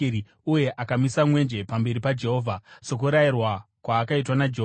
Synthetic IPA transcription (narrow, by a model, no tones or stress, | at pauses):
i | uje̞ʔakamisamwe̞nd͡ʒe̞pambe̞ɾipad͡ʒe̞ɦoːvʱaso̞k̬uɾairwakwaːkaitwanad͡ʒeɦo